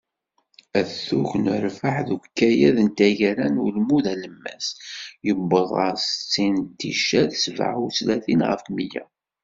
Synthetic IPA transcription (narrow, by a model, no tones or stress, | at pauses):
æθːuʝnəɾfəħðukːæjæðənt̪æʝɾænulmuðæləmːæsjəbːəðˤʁə̰ɾst͡sːint̪ːiʃæðsva̰ʕuslæθinʁə̰fmijæ̰